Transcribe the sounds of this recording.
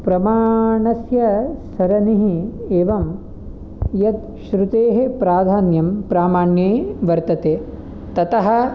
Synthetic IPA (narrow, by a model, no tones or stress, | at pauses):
pɾɐmaːɳɐsjɐsɐɾɐniɦieːʋɐm | jɐt̪ | ʃɾut̪eːɦepɾaːd̪ʱaːnjɐmpɾaːmaːɳjeːʋɐɾt̪ɐt̪eː | t̪ɐt̪ɐɦɐ